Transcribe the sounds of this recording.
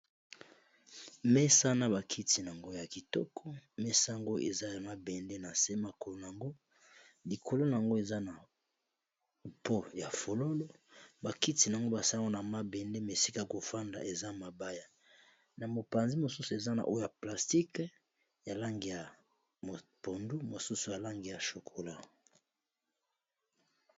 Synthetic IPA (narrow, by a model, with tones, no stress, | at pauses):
mɛ˦sa˦na˦βa˨kʰi˦ti˨n˨a˨ŋɡo˦ja˨ki˨tɔ̰˦kʰɔ˦mɛ˦sa˦˨ŋɡo˦ʔḛ˨za˦ja˨ma˦bɛ˨nde˦na˨se˦ma˨ko˨lo˨n˨a˨ŋɡo˦ | li˨kʰo˨lo˦n˨a˨ŋɡo˦e˨za˦na˨ | po˦ja˨fo˨lo˦lo˦ba˨ki˦ti˨na˨ŋɡo˦ba˨sa˦˨ŋɡo˦na˨ma˦bɛ˨nde˦me˨si˦ka˦˨ko˨fa˦nda̰˨ʔe˨za˦˨ma˨ba˦ja˦ | na˨mo˨pa˨nzi˦mo˨su˦su˨e˨za˦na̰˨ʔo˦o˦ja˨pla˨sti˦k | ja˨la˦ŋɡi˨ja˨ | mo˨po˨ndu˦mo˨su˦su˨ja˨la˦ŋɡi˨ja˨ʃo˨kʰo˨la˦